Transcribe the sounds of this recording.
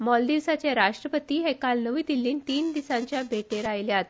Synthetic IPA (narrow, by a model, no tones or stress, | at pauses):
mɔld̪iʋsat͡ɕjaɾaʂʈɾəpət̪iːɦekalnəʋiːd̪ilːiːnt̪iːnd̪isãɲt͡ɕjabʱeʈeɾajljat̪̚